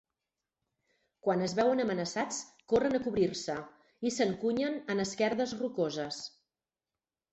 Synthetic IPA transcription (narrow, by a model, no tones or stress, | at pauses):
kwanəzβɛwənəmənəsat͡skorənəkuβɾirsə | isəŋkuɲənənəskɛɾðəzrukozəs